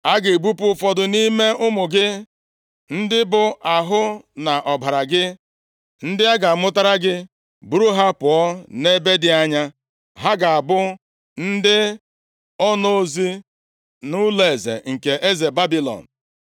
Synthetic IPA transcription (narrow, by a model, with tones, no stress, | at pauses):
a˦ɡɪ˨bu˦pʊ˦fɔ˨dʊ˨ni˦me˦ʔʊ˦mʊ˨ɡɪ˦ | n̩˦dɪ˦bʊ˨ʔa˨ɦʊ˦na˨ʔɔ˨bʱa˨ɾa˨ɡɪ˦ | n̩˦dɪ˦a˦ɡa˨mʊ˦ta˦ɾa˦ɡɪ˦ | bu˦ɾu˦ɦa˦pʊ˨ɔ˦ne˦be˦dɪ˦a˦ɲa˦ | ɦa˦ɡa˨a˨bʊ˦ | n̩˦dɪ˦ | ɔ˦no˦zi˦ | nʊ˦le˨zḛ˨ŋ̩˨ke˨ʔe˦ze˨ba˦bi˦lɔ̰˨n̩˨